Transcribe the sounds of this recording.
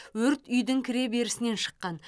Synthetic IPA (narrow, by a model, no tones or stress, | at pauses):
wɵɾt̪ʏjd̪ɪŋkʲʰɪɾe̞be̞ɾɪsɪne̞nʃə̥qːɑn